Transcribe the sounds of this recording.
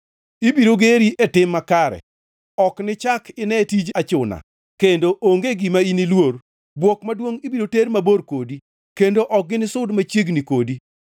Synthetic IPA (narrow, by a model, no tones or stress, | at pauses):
ibiɾoɡeɾiʔetɪmːakaɾɛ̰ | ɔknɪt͡ʃakɪnɛtid͡ʒat͡ʃʊna̰ | kendoʔoŋɡeɡimainilwor | bwɔkmadwoŋibiɾoteɾmaboɾkodi | kendoʔɔk̚ɡɪnɪsʊdmat͡ʃeɡnikodi